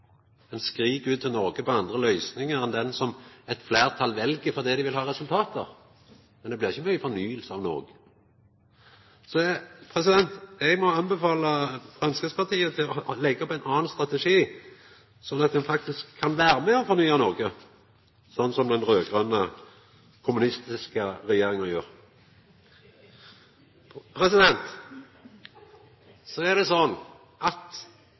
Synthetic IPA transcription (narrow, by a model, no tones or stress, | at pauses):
ɛnskʁiːkʉːt̪ːɪlnɔɾɡəpʰɔɑnd̪ʁəlœʏsnɪŋəɾɛnd̪ɛnsɔmɛt̪flæːʁt̪ʰɑlʋɛlɡəfɔʁd̪iːd̪ɪʋɪlhɑːʁɛsʉlt̪ʰɑːt̪əʁ | mɛnd̪ɛblɪʁɪçːəmœʏəfɔɾnyːəlsəɑʋno̰ːɡə | sɔpʰʁɛsɪd̪ɛnt̪ɛɡmɔɑnbɛfɑːləfʁɑnsɡəspɑʁt̪ʰiːət̪ʰɪlɔlɛɡːəɔpæɪnɑːnst̪ɾɑt̪əʂiː | sɔnːɑt̪̚d̪ɛnfɑk̚t̪ɪskʰːɑnʋæːɾəmɛɔfɔʁnyːɑnɔʁɡə | sɔnːsɔmd̪ɛnʁøːɡʁənə | kʰʊmʉnɪst̪ɪskəɾɛjeːɾɪŋənjø̰ːʁ | pʰɾɛsɪd̪ɛnt̪ | sɔæʁd̪ɛsɔnː | ʔɑt̪